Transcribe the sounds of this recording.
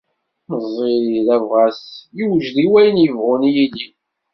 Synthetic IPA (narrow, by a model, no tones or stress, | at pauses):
məzˤːeðævʁæsjiwʒðiwæjənjəvʁʊnjilːi